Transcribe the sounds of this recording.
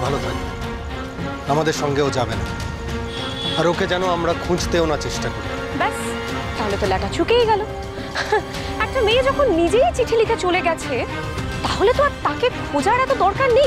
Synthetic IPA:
bʱalot̪ʰa̰j | amad̪eɾʃɔŋɡeod͡ʑabena̰ | aɾokʰed͡ʑɛnoamɾakʰũd͡ʑt̪eonaɾt͡ɕeʃʈakoɾila̰mbɛs | t̪aɦolet̪olɛɡat͡ɕukejɡɛlo | ɛk̚ʈamejed͡ʑɔkʰonːid͡ʑejt͡ɕiʈʰilik̪et͡ɕoleɡɛt͡ɕʰe | t̪aɦolet̪oaɾt̪ãkekʰod͡ʑaɾɛt̪od̪ɔɾkaɾnej

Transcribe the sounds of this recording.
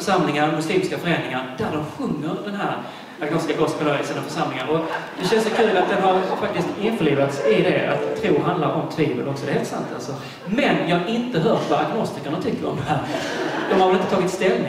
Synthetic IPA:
œʂamlɪŋad̪ɔmɵsliːmɪskafœɾɛːnnɪŋand̪æɖɔmɧɵŋːəɾd̪ɛnɦæːɾ | aɡnɔst̪ɪkaɡɔst̪pʰɔlœəsənːɔfœʂamlɪŋanɔd̪̥ɛɕɛnsɔkʰʉ̟ːlvat̪̚d̪ɛɦaɾfak̚t̪ɪst̪ɪnfœɭiːvat̪sɪd̪ɛa̰t̪ʰːɾuːɦand̪laɾɔmt̪ʰviːbə̰lɔksɔd̪ɛheːlt̪sa̰nt̪a̰lsɔ | mɛnjɑːaʔɪnt̪əɦœːʈvaɾaɡnɔst̪ɪkəɳat̪ʰʏkːəɾɔ̰md̪ɛɦæːɾd̪ɔmhaɾvlɪnt̪ət̪ʰɑːɡɪt̪st̪ɛlːɪ

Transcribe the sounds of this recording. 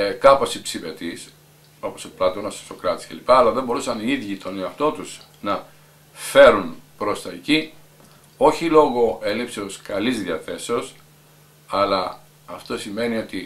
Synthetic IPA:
kɐpo̞sipsive̞t̪is | o̞posiplɐt̪onɐso̥st̪o̞kɾɐt̪i̥sce̞lipɐːlɐðembo̞ɾusɐniiðʝit̪o̞neɐft̪o̞t̪uz̥ | nɐ | fe̞ɾunpɾo̞st̪ɐeci | o̞çilo̞ɣo̞e̞lipseoskɐlizðiɐθe̞seos | ɐlɐː | ft̪o̞sime̞nio̞t̪i

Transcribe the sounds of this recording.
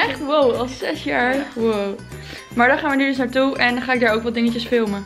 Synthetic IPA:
ɛχtwowɑlˠsɛsjaːɹwow | maːɹdɑnχaːnʋənyːɹdɵsnaːɹtuɛndɑnχaːɪɡ̚daːɹowkʋɑt̚dɪŋəcəsfɪlˠmə

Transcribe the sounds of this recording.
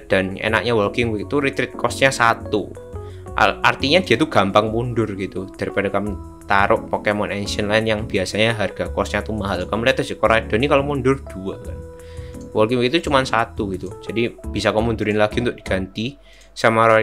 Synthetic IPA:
d̥a̤nḛna̰k̚ɲawɔlkɪŋwɪk̚t̪uɾit̪ɾɪt̪̚kɔsɲasat̪u | ʔa̰ʔart̪iɲad̪̥iat̪uɡ̥a̤mpaŋmundʊrɡ̥it̪ud̥a̤ɾipadakamu | t̪aɾʔʊʔpɔkemɔnɛnsiənlaɪnjaŋb̥iasaɲaɦarɡ̥a̤kɔsɲat̪umaɦalkamliat̪əsɪkɔɾad̥a̤nikalomundʊrd̥uakan | wɔlkɪŋwɪk̚it̪ut͡ʃumansat̪uɡit̪ud͡ʒadib̥isakɔmundʊɾɪnlaɡ̥iunt̪ʊʔ̚d̥i̥ɡ̥a̤nt̪i | sama

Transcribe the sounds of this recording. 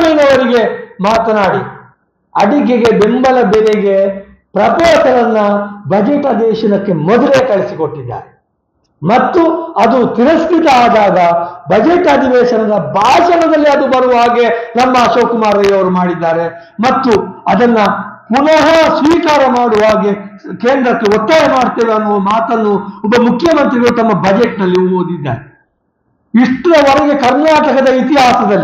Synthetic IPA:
miːnɐʋɐɾiɡe̞maːt̪ɐnaːɽi | ɐɽikeɡe̞be̞mbɐlɐbeɾeɡe̞ | pɾɐpoːsɐɾɐnːɐbʱɐd͡ʒeʈaːd̪eːʃɐnɐkːe̞mɔd̪ɐleːkɐɭisiko̞ʈːid̪ːa̰ːɾe | mɐt̪ːuɐd̪ut̪iɾɐst̪ʰit̪ɐaːd̪aːɡɐbʱɐd͡ʒeʈaːd̪iʋɛːʃɐnɐd̪ɐbʱaːʃɐnɐd̪ɐlːiɐd̪ubɐɾuʋɦaːɡe̞nɐmːɐːʃoːkumaːɾɐjɐʋɐɾumaːɽid̪ːaːɾe̞ | mɐt̪ːuɐd̪ɐnːɐkunɐɦɐsʋiːkaːɾɐmaːɽuʋaːɡekeːnd̪ɾɐkːe̞ɔt̪ːajɐmaːɽt̪eːʋɐnːuʋɐmaːt̪ɐnːuɔbːɐmukʰjɐmɐnt̪ɾiɡɐɭut̪ɐmːɐbɐd͡ʒeʈnɐlːiumoːd̪id̪ːa̰ːɾe | iʂʈɐd̪ɐɔɾɐɡe̞kɐɾnaːʈɐkɐd̪ɐit̪iɦaːsɐd̪ɐlːi

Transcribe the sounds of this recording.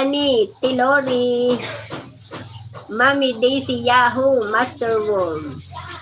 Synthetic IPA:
nit̪iloɾi | mamid̪ijsijaɦumastəɾwol

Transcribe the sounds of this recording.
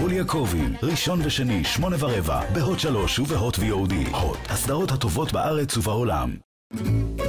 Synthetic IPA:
huljakʰovimʁiʃo̞nveʃeniʃmo̞nevaʁeva̰beɦo̞tʃalo̞ʃuveɦo̞tvejeud̪ḭhot̪hasd̪aʁo̞that̪o̞vo̞tbaʔaʁe̞t͡suvao̞la̰m

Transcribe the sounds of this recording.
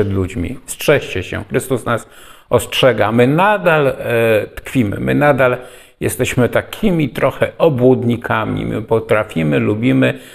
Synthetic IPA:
ɛd̪lud͡ʑmʲḭstʂɛɕt͡ɕɛɕɛ̰xɾɘst̪usnas | ɔstʂɛɡamɘnad̪alt̪kfʲimɘ̰mɘ̰nad̪al | jɛst̪ɛɕmɘt̪akʲʰimʲit̪ɾɔxɛɔbwud̪ɲikʰamʲḭmɘ̰pɔt̪ɾafʲimɘlubʲimɘ

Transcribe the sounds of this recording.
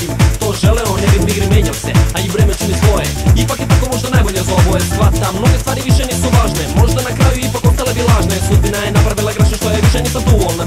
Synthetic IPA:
it̪oʒelɛonebimiɡɾimeɲalsɛaibɾemet͡ʃinisʋo̞jeipakit̪akomo̞ʒd̪anajbo̞ʎezoʋojesʋat̪amno̞ɡest̪ʋaːɾiʋiʃenisuʋaːʒnemo̞ʒd̪anakɾaːjuipako̞st̪alebilˠaːʒnasud̪̚binajenapɾaʋilˠaɡɾaʃeʃt̪ojeʋiʃenisad̪uvolna

